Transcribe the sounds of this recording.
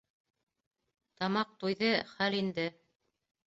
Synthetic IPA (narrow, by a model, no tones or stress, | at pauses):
t̪ɑmɑq̚t̪ujðɤχælind̪ɘ